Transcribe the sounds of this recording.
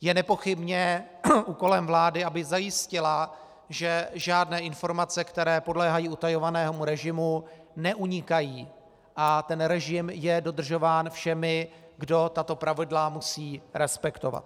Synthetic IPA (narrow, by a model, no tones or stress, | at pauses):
jɛnɛpo̞xɪbɲɛʔuːko̞lɛmvlaːdɪʔabɪzajɪscɪla | ʒɛʒaːdnɛːʔɪnfo̞ɾmat͡sɛkt̪ɛɾɛːpo̞dlɛːɦajiːut̪ajo̞vanɛːɦomuɾɛʒɪmu | nɛʔuɲɪkajiː | ʔat̪ɛnɾɛʒɪmjɛdo̞d̪r̩ʒo̞vaːnfʃɛmɪɡdo̞t̪at̪o̞pɾavɪdlamusiːɾɛspɛkt̪ova̰t̪̚